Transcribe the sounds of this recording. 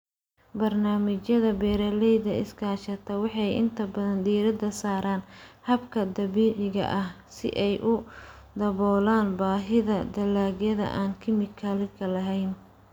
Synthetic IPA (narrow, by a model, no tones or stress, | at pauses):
bɐrnaːmɪt͡ʃjɐðɐbɛːɾɐlɛjðɐɪ̰skʰaːʃɐt̪ʰɐwɑħɑjɪ̰nt̪ʰɐbɐðɐnd̪iːɾɐd̪ɐsaːɾaːnhɐbkʰɐd̪ɐβiːʕɪɣɐ̰ʔɐh | sɪ̰ʔɛjʔʊ | d̪ɐβɔːlaːnbaːɦɪðɐd̪ɐlaːɣjɐðɐ̰ʔaːnkʰɪmɪkʰɐlɪkʰɐlɐɦɛjn